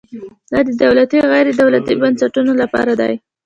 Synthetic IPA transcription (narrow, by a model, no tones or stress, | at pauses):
d̪̥ɑd̪əd̪awlat̪iɣajɾed̪awlat̪ibansaʈunolapɑ̰ɾad̪ɑ̰j